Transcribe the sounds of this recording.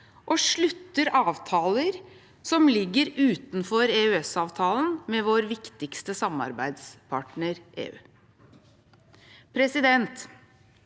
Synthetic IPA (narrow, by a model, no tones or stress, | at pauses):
ʔɔʂɭʉt̪ːəɾɑːʋt̪ʰɑːləɾ | sɔmlɪɡːəɾʉːt̪nfɔɾeːʉɛsɑːʋt̪ʰɑːlən̩mɛʋoːɾʋɪkt̪ɪkst̪əsɑmɑ̰ɾbæɪd̪spʰɑʈnəɾʔḛːʉ̰ː | pʰɾɛsɪd̪ɛnt̪